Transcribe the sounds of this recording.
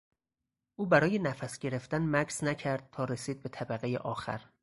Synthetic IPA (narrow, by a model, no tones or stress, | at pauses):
ʔuːbæɾɒːje̞næfæsɟ̥e̞ɾeft̪ænmæksnæcʰæɾd̪̥̚t̪ʰɒːɾesiːd̪̚be̞t̪ʰæbæɣejḛʔɒːxæ̰ɾ